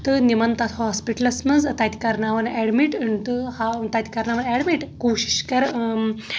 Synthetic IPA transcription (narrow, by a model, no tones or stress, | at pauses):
t̪ɨnimɐnt̪at̪hɔspiʈɐlɐsmɐnd͡zt̪at̪ʲikɐɾnaʋɐnɛɽmiʈɨɳt̪ɨhat̪at̪i̥kɐɾnaʋɐnɛɽmiʈkoɕi̥ɕkɐɾ